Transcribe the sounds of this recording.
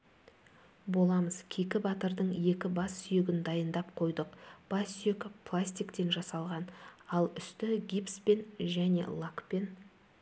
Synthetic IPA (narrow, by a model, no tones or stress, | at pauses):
bo̞lˠɑməz̥kʲʰekʲɪbɑt̪əɾd̪əɴje̞kʲɪbɑsːʏjeɡʲɪnd̪ɑjənd̪ɑp̚qʰo̞jd̪əqb̥ɑsjekplˠasʲt̪ʲijkt̪e̞nʒɑsɑlˠʁɑnɑlˠʏst̪ɪɡʲipspe̞nʒæne̞̰lˠakpe̞n